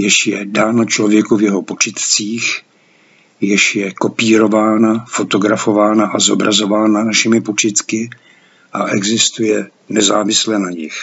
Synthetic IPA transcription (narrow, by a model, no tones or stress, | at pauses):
jɪʃjɛdaːno̞t͡ʃlo̞vjɛkuvjɛɦopot͡ʃɪt̪t͡siːx | jɪʃjɛko̞piːɾo̞vaːnafo̞t̪o̞ɡɾafo̞vaːnaʔazo̞bɾazo̞vaːnanaʃɪmɪpo̞t͡ʃɪt̪kɪ | ʔaʔɛɡzɪst̪ujɛ | nɛzaːvɪslɛnaɲɪx